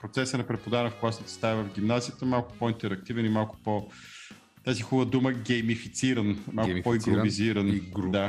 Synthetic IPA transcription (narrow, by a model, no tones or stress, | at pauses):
pɾot̪sɛsənɐpɾɛpod̪anəfklˠasnit̪ɛ̥st̪avəvəvɡ̟imnazijət̪əmalˠkʊ̥pɔint̪ɛɾɐk̚t̪ivɛnimalˠkʊ̥po | t̪azixuvəd̪uməɡɛjmifit̪siɾənmalˠkpɔiɡɾoviziɾənd̪a